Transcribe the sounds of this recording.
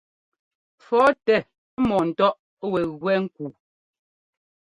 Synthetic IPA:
fɔ˨˦tɛ˦˨˦ | mɔ˨n̩˨tɔ˦ʔ | wɛ˨ɣwɛ˦ŋ̩˦ku˨

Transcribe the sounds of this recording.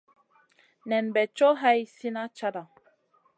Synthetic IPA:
nɛ˨nbɛ˨t͡ʃɔ˦ɦa˦jsi˦na˦t͡ʃa˦da˨

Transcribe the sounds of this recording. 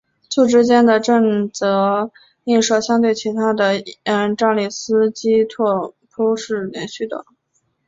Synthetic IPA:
t͡sʰu˥˩ʈ͡ʂɻ̩˥t͡ɕjɛ˥nd̪ə˨ʈ͡ʂɤ˥˩ŋt͡sɤ˧˥ | i˥˧nʂɤ˥˩ɕjɑ˥ŋt̪we˥˩ɪt͡ɕʰi˧˥t̪ʰa˥d̪ə˨˥a˥˩nʈ͡ʂɑ˥ŋli˥˩sɹ̩˥t͡ɕi˥t̪ʰwɔ˥˩pʰo˥ʂɻ̩˥˩ljɛ˧˥nɕy˥˩d̪ə̰˨˩

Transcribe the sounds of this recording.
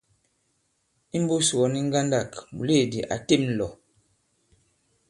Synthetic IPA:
i˦m˦bu˦su˨ɔ˨˦ni˦ŋ̩˦ɡa˦nda˦˨kmṵ˨le˦˨di˨ʔa̰˨te˦˨mn̩˦˨lɔ˨

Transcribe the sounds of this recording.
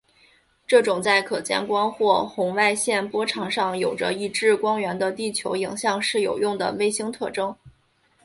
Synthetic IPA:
ʈ͡ʂɤ˥˩ʈ͡ʂʊ˨˩ŋt͡sa˥˩ɪkʰɤ˨˩t͡ɕjɛ̰˥nkwɑ˥ŋxwɔ˥˩xʊ˧˥ŋwa˥˧ɪɕjɛ˥˩npwɔ˥ʈ͡ʂʰɑ˧˥ŋʂɑ˥˩ŋjo˨˩ʊʈ͡ʂə̰˦i˥˧ʈ͡ʂɻ̩˥˧kwɑ˥ŋɥɛ˧˥nd̪ə˧t̪i˥˩t͡ɕʰjo˧˥ʊi˨˩ŋɕjɑ˥˧ŋʂɻ̩˥˩jo̰˨˩ʊjʊ˥˩ŋd̪ə̰˩we˥˩ɪɕi˥ŋt̪ʰɤ˥˩ʈ͡ʂɤ˥ŋ

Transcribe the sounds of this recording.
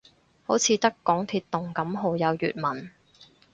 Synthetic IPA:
ho˨˥wt͡sʰiː˨˧t̪ɐ˥kːɔː˨˥ŋt̪ʰiː˧t̚t̪ːʊ˨ŋkɐ˨˥mɦo˨˧wjɐ˨˧wjy̰ː˨t̚mɐ˨˩n

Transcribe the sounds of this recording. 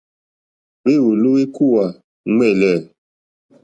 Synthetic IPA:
we˦˨wo˨lu˦we˦ku˦˨wa˨ | ŋɛ˦˨lɛ˦˨

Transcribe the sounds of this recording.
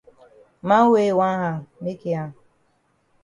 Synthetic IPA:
ma˦we˨wa˦ɦa˨me˦ke˨a˦˨

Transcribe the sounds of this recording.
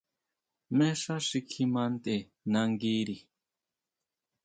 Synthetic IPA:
me˦ʂa˦ʂi˧kʰimant̪e˨ | na˧ŋɡi˦ɾi˨

